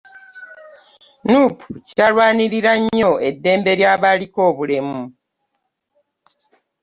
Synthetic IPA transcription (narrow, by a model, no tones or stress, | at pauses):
nupʰucalwaːniɾiɾaɲːo̞e̞dːe̞ːmbe̞ɾjaːβaliko̞ːβule̞mu